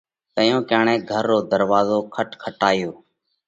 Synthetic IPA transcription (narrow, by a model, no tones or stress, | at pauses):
t̪əjõːkəːɳẽːɡʱəɾːoːd̪əɾʋaːzoːkʰəʈkʰəʈaːɪjoː